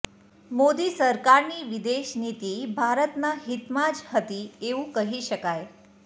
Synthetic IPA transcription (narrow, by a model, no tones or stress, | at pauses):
mod̪isəɾkaɾniʋid̪eʃnit̪ibʱaɾət̪naɦit̪mad͡ʒhət̪ieʋũkəɦiʃəkaj